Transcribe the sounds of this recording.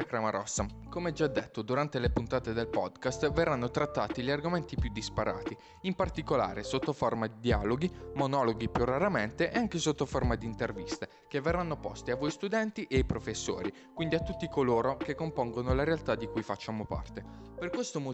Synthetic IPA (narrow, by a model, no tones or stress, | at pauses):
kɾamaɾɔsːa | komeɛd͡ʒad̪ːet̪ːod̪uɾant̪elepunt̪aːt̪ed̪elpɔd̪kast̪verːanːot̪ɾat̪ːaːt̪iʎiarɡoment̪ipjud̪ːispaɾa̰ːt̪i | impart̪ikola̰ːɾesot̪ːoformad̪id̪ia̰ːloɡimonɔloɡipjurːaɾament̪eʔeaŋkesot̪ːoformad̪iːnt̪ervist̪e | kevːerːanːopɔ̰st̪iavːoist̪ud̪ɛnt̪iʔeajpɾofesːo̰ːɾi | kwind̪iat̪ːut̪ːikoloːɾokekːompoŋɡonolaɾealt̪ad̪ikujfat͡ʃːamopa̰rt̪e | perkwest̪omo